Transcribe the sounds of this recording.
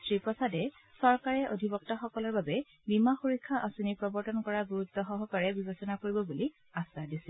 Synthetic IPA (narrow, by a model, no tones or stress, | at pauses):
sɹipɹɔsadɛ | sɔɹkaɹɛʔodʱibɔk̚tɔxɔkɔlɔɹbabɛ | bimaxuɹikʰːaʔasunipɹɔbɔɹtɔnkɔɹaɡuɹut̪ːɔxɔɦɔkaɹɛbibesɔnakoɹibɔbuli | asadisi